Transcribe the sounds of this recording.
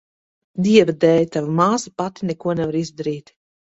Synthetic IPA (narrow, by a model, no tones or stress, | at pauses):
d̪iɛvad̪ɛːjt̪avamaːsapat̪i̥nɛkuɔnɛvaɾizd̪aɾiːt̪